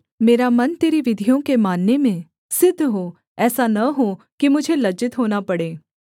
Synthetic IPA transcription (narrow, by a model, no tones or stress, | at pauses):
meːɾamɐnt̪eːɾiʋɪd̪ʱijõkemaːnːemẽ | sɪd̪ʱːɦoː | ɛːsanɐɦo | kimʊd͡ʒʱelɐd͡ʒɪt̪ɦoːnapɐɽeː